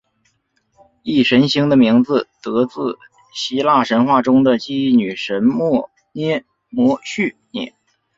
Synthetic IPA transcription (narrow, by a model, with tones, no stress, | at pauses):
i˥˩ʂə˧˥nɕi˧˥ŋd̪ə˧mi˧˥ŋd͡zɹ̩˧t̪ɤ˧˥t͡sɹ̩˥˩ | ɕi˧˥la˥˩ʂə˧˥nxwa˥˩ʈ͡ʂʊ˥ŋd̪ə˨t͡ɕi˥˩˥ny˨˩ʂə˧˥nmɔ˥˩ | njɛ˥ | mwɔ˧˥ɕy˥˩njɛ̰˥˨˩n